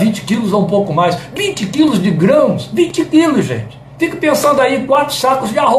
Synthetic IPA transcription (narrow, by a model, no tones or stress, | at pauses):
vĩt͡ʃɪ̥kilʊzaũpowkʊmajsvĩt͡ʃɪkilʊzd͡ʒɪɡɾɐ̃mʊsvĩt͡ʃɪkilʊsʒḛ̃t͡ʃɪ | fikɐpẽsɐ̃nd̪ʊaikwat̪ɾʊ̥sakʊzd͡ʒɪaɦo